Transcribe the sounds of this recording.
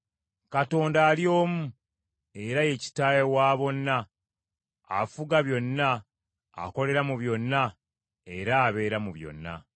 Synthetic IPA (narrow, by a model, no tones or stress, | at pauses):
kato̞ːndaːljo̞ːmu | e̞ɾaje̞ci̥taːjewaːβo̞nːa | fuɡaβjo̞nːa̰ː | ko̞le̞ɾamuβjo̞nːa | e̞ɾaːβe̞ːɾamuβjo̞̰nːa̰